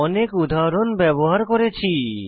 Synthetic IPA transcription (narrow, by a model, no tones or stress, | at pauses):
ɔnekud̪ʱaɾonbɛboɦaɾkoɾet͡ɕʰi